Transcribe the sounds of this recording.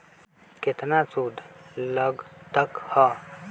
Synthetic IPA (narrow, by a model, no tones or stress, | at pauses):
kɪt̪nasuːd̪ʱləɡt̪əkhɔ